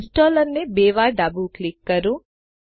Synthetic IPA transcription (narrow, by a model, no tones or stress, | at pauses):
d͡ʒʈoːləɾnebeʋaɾɖabuklɪkːəɾũ